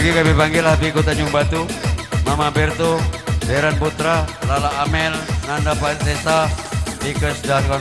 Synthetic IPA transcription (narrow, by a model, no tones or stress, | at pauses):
ɡikabɛpaŋɡilabikut̪aɲd͡ʒuŋbat̪umamabɛrt̪odɛɾanput̪ɾalalaːmɛlnandapalt̪esapikəsdaka